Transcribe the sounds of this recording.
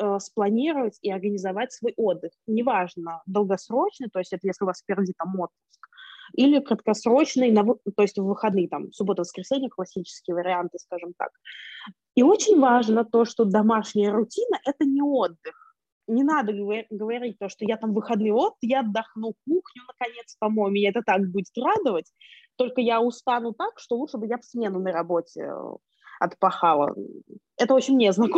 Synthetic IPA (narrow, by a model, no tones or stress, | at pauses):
əsplˠɐnʲiɾəvətʲiɐrɡənʲɪzɐvatʲsvo̞jʔo̞d̪ːɨxnʲɪvaʐnəd̪əlˠɡɐsɾo̞t͡ɕnɨjt̪o̞jɪsʲtʲɛt̪əjesʲlʲɪʊvaspʲɪrdʲit̪amo̞t̪pʊskilʲɪkɾət̪kɐsɾo̞t͡ɕnɨjnəvɨt̪o̞jɪsʲtʲvːɨxɐd̪nɨjt̪amsʊbo̞t̪əvəskɾʲɪsʲenʲɪjəklˠɐsʲːit͡ɕɪ̥skʲɪjəvəɾʲɪant̪ɨskaʐɨmt̪a̰k̚ | io̞t͡ɕɪnʲvaʐnət̪o̞ʂt̪od̪ɐmaʂnʲɪjəɾʊtʲinəʔɛt̪ənʲɪo̞d̪ːɨx | nʲɪnad̪əɡəvɐɾʲit̚ʲt̪o̞ʂt̪ojat̪amvɨxɐd̪nɨjo̞t̪ːɨjaɐd̪ːɐxnuk̚uxnʲʊnəkɐnʲe̞t̪spɐmo̞jʊmʲɪnʲeɛt̪ət̪akbudʲɪt̪rad̪əvətʲt̪o̞lʲkəjaʊst̪anʊt̪akʂt̪o̞lutʂbɨjafsʲmʲenʊnəɾɐbo̞tʲɪ̰ | ɐ̰t̪pɐxalˠə̰ | ɛt̪əot͡ɕɪnʲmnʲɪɐznɐk